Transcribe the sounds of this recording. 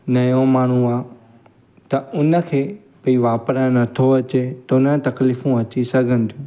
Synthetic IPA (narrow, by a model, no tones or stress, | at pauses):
nɐjõmaːɳ̤uaː | t̪ɐʊnə̆kʰeː | piʋaːpɾənɐt̪ʰoɐt͡ɕet̪ɐʊnət̪ɐkliːfũɐt͡ɕisɐɡʱə̃nt̪ʰjũ